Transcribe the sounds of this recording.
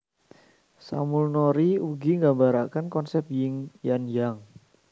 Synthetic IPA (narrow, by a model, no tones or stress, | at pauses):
sa̰mulnoɾiuɡiŋɡambaɾakankɔnsɛp̚jɪŋjanjaŋ